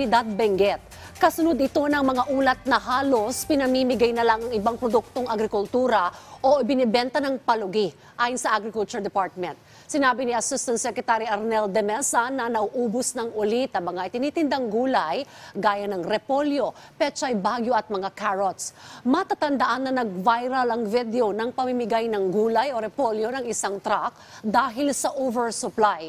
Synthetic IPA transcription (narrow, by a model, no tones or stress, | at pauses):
ɪd̪ad̪̚bɛŋɡɛt̪̚ | kɐsʊnʊd̪ɪt̪o̞nɐŋmɐŋaʔuːlɐt̪̚nɐɦaːlo̞spɪnɐmiːmɪɡajnɐlaŋɐŋɪbaŋpɾod̪uk̚t̪o̞ŋɐɡɾɪkʊlt̪uːɾɐʔo̞ʔɪbɪnɪbɛnt̪ɐnɐŋpɐlʊɡi | ʔaːjʊnsɐʔaɡɾɪkʊlt͡ʃʊɹd̪ɛpaɹt̪̚mɛ̃nt̪̚ | sɪnaːbɪniɐsɪst̪ɐnt̪sɛkɾɛt̪aɾiʔɐɾnɛld̪ɛmɛsanɐnɐʔʊʔuːbʊsnɐŋʊlit̪ɐmɐŋaʔɪt̪ɪniːt̪ɪnd̪aŋɡuːlɐjɡaːjɐnɐŋɾɛpoljo̞pɛt͡ʃoɐjbaːɡjoʔɐt̪̚mɐŋakaɹot̪smɐt̪at̪ɐnd̪ɐʔanːɐnɐɡ̚vajɾɐlɐŋvid̪ɛo̞nɐŋpɐmimɪɡajnɐŋɡuːlɐjo̞ɾɛpoljo̞nɐŋɪsaŋt̪ɾak̚ | d̪aːɦɪlsɐʔovɛɹsʊplaj